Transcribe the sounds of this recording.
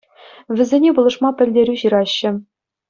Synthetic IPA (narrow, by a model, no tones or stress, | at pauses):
ʋʲɘ̆zʲenʲebulˠɤ̆ʂmɑpʲɘ̆lʲdʲeɾʲyɕɯɾɑɕːɘ̆